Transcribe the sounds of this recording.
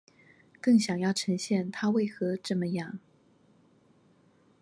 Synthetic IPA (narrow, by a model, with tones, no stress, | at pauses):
kɤ˥˩ŋɕjɑ˨˩ŋjɑ˥˩ʊʈ͡ʂʰɤ˧˥ŋɕjɛ˥˩nt̪ʰa˥we˥˩ɪxɤ˧˥ʈ͡ʂɤ˥˩mə˨jɑ˥˩ŋ